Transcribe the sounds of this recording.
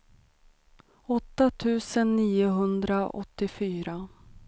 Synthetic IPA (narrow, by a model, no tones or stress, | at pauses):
ɔt̪ːat̪ʰʉ̟ːsənːiːʊɦɵnd̪ɾaʔɔ̰t̪ːɪfyːɾa